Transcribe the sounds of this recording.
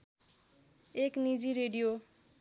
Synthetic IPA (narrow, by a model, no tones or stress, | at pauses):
eknid͡ziɾeɖijo